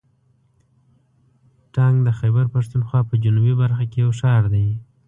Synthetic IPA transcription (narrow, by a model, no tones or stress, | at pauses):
ʈɑŋɡd̪əxajbəɾpaʂt̪unxwɑpəd͡ʒunubibaɾxakejawʃɑɾd̪aj